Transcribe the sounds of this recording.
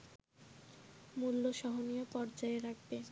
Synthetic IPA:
mulːoʃɔɦonijopɔɾd͡ʑaeɾak̚ʰbe

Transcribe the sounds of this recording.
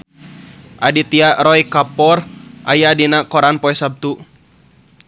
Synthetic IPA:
ʔadit̪iaɾɔjkapɔrʔa̰jadinakɔɾanpɔɛsab̚t̪u

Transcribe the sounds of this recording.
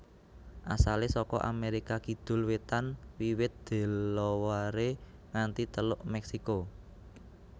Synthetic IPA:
ʔasalesɔkɔ̰ʔa̰meɾikakid̪̥ʊ̤lwet̪anwiwɪt̪̚d̪̥e̤lːɔwaɾeŋant̪it̪əlʊʔmɛksiko

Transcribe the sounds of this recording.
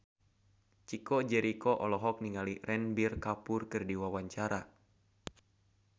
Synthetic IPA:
t͡ʃikɔd͡ʒɛɾikɔʔɔlɔɦɔk̚niŋaliɾɛnbirkapurkɨrdiwawaɲt͡ʃaɾa

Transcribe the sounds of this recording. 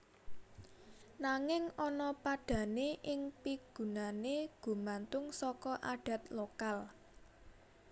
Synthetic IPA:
naŋɪŋɔnɔpaɖ̥ä̤neʔɪŋpiɡ̥ṳnaneɡ̥ṳmant̪ʊŋsɔkɔʔaɖ̥ä̤t̪lokal

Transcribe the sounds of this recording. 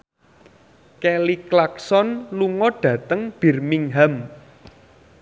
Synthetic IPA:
kɛliklaksɔnluŋɔɖ̥ä̤t̪əŋb̥i̤rmiŋɦam

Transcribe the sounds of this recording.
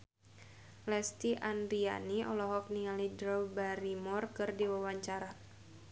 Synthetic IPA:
lɛst̪iʔandɾia̰niɔlɔɦɔk̚niŋalidɾɔwbaɾimɔrkɨrdiwawaɲt͡ʃaɾa

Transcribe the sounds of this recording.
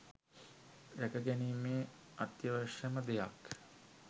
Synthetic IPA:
d̪ækəɡæniːmeː | at̪jəʋəʂəməd̪ejak

